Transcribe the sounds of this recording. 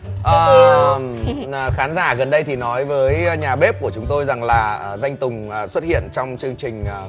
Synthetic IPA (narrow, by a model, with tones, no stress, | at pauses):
ʔəː˨˩˨ | xaː˨˦nzaː˧˩ɣə˨˩nɗə˧jt̪ʰi˨˩nɔ˨˦jvəː˨˦jɲaː˨˩ɓe˦˥p̚ku˧˩ə˩t͡ɕʊ˨˦ŋ͡mt̪o˧jza˨˩ŋlaː˨˩ʔə˨˩za˧jŋ̟t̪ʊ˨˩ŋ͡mʔswə˦˥t̚hḭ˧˨ənt͡ɕɔ˧wŋ͡mt͡ɕɨ˧əŋt͡ɕï˨˩ŋ̟ʔ